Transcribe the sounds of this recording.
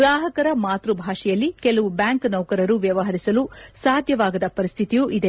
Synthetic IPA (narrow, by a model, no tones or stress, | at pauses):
ɡɾaːɦɐkɐɾɐmaːt̪ɾubʱaːʂɛjɐlːikɛlɐʋubjaːŋknɐwkɐɾɐɾuʋjɐʋɐɦɐɾisɐlusaːd̪ʱjɐʋaːɡɐd̪ɐpɐɾist̪ʰit̪ijuʔid̪e̞